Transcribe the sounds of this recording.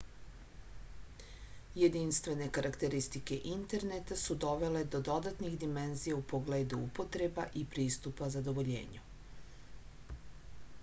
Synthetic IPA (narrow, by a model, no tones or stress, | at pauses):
je̞d̪inst̪ʋe̞ne̞kaɾʔakt̪e̞ɾist̪ike̞ʔint̪e̞ɾnet̪asud̪o̞ʋe̞le̞d̪o̞d̪o̞d̪at̪nixd̪ime̞nzijaupoɡle̞ːd̪uupo̞t̪ɾe̞baʔipɾiːst̪upazad̪o̞ʋo̞ʎḛːɲu